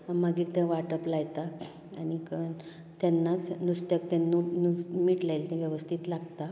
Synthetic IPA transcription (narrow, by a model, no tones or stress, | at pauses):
amaɡiːɾt̪ɛ̃ʋaʈəplajt̪a | añikə | t̪anːat͡snust̪əkt̪ɛ̃nunumiʈlajlt̪ɛ̃ʋjəʋəst̪ʰiːt̪laɡt̪a